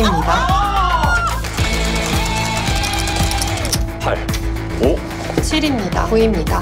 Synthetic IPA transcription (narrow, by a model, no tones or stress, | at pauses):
imɲida | pʰa | u | t͡ɕʰiɾimɲida̰oimɲida